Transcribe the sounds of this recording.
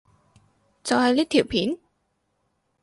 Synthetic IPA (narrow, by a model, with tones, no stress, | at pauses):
t͡sɐ˨whɐ˨jliː˥kt̪ʰiː˨˩wpʰiː˨˥n